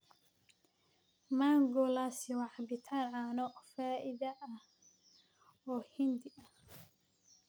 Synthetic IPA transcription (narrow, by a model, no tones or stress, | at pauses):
maːŋɡɔlaswɑʕɑbɪt̪ʰaːnʕaːnɔfaːʔɪðɐʔɐ | ɔːhɪnd̪ɪʔɐ